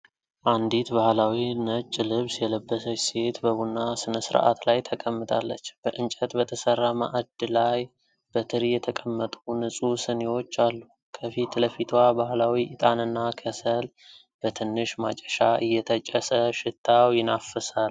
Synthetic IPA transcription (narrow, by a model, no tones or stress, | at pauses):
ʔand̪it̪bahlawinət͡ʃʼːlɨβsjɛləbːəsəse̞t̪bəβunːasɨnəsɨɾ̰ʔa̰t̪lajt̪ʰəkʼəmːɨt̪ʰa̰lːə̰t͡ʃːb̥əʔɨnt͡ʃʼət̪bət̪ʰəsərːama̰ʔad̪laj | bət̪ʰɨɾjɛt̪ʰəkʼəmːət̪ʼunɨsʼusɨnewo̞t͡ʃːalːu | kʰəfit̪ləfit̪ʰwabahlawiʔɪt̪ʼanɨnːakʰəsəl | b̥ət̪ʰɨnːɨʃmat͡ʃʼəʃaʔɨjːɛt̪ʰət͡ʃʼəsəʃɪt̪ʰːawjɪnafəsal